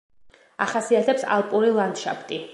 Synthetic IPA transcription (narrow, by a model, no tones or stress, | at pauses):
a̰χasiat̪ʰɛpsa̰lˠpʼuɾilˠand̪ʃa̰pʰt̪ʼi